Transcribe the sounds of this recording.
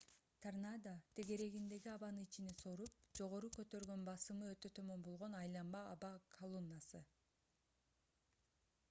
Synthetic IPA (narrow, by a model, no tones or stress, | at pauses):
t̪ʰarnad̪at̪ʰe̞ɡe̞ɾe̞ɡind̪e̞ɡiɑβɑnɯnit͡ʃineso̞ɾup̚d͡ʒo̞ʁo̞ɾukø̞t̪ø̞ɾɡø̞nbɑsɯmɯøt̪ø̞t̪ʰø̞mø̞mbo̞lˠʁo̞nɑjlˠɑmbɑːβɑkʰɐlˠonːasɯ